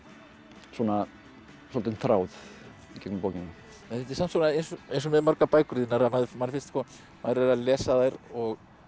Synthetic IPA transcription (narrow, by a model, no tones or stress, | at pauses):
suɔna | sɔlt̪ɪnθɾaːwð | icɛkmʏmpoːcɪnːa | ɛnɪt̪ɪ̥sansɔnaejnsɔejns̬ɔmɛðmœɾkapaːjkʏɾðɪnaɾamaðɪfmaɾɪfɪ̥st̪kɔ | maðɾvɛɾalɛːsaðajɾɔɣ